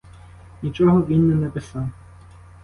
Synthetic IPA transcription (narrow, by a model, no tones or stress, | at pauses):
nʲit͡ʃɔɦɔʋʲinːɛnɛpɪsɑw